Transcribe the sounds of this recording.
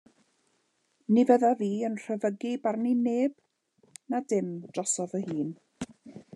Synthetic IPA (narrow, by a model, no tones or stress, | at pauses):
nivəðaviːənr̥əvəɡibarnineːb̥ | nadɪmd̥rɔsɔvəhiːn